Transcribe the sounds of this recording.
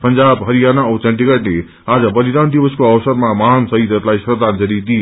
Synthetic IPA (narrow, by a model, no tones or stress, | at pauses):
pʌnd͡zabɦʌɾijanaːwt͡sʌɳʈiɡəʈne | ad͡zʌbʌliɾand̪ibʌskoʌwsʌɾmamaɦansʌɦit̪ʌt̪lajsɾəd̪ʱand͡zʌɾid̪i